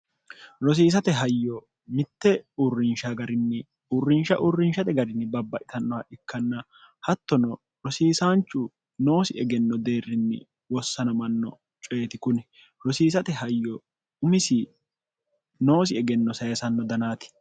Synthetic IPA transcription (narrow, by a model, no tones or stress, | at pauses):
ɾɔs̬iːs̬ɐt̪ɛɦɐjːɔ | mɪt̪ːɛʊrːɪnʃaɡɐɾɪnːɛ | ʊrːɪnʃɐ̰ʔʊrːɪnʃɐt̪ɛɡɐɾɪnːɪbɐbːɐʔɪt̪ɐnːɔwɐʔɪkːɐnːɐ | hɐt̪ːɔnɔ | ɾɔsiːsaːnt͡ʃːʊ | no̞ːsɪɛɡɛnːɔd̪e̞ːrːɪnːɪ̰ | wɔsːɐnɐmɐnːɔ̰ | t͡ʃʼeːt̪ɪkʊnɛ | ɾɔsiːsɐt̪ɛɦɐjːɔ | ʊmɪsɪ | no̞ːs̬ɪɛɡɛnːɔsɐjɐsɐnːɔd̪ɐnaːt̪ɪ̥